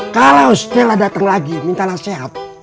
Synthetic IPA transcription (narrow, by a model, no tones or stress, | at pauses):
kalaust̪ɛladat̪aŋlaɡimint̪alasɛɦat̪̚